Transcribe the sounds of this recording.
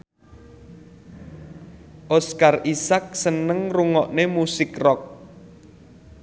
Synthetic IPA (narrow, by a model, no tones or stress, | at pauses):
ʔɔskarisak̚sənəŋruŋɔʔnemusɪkrɔk̚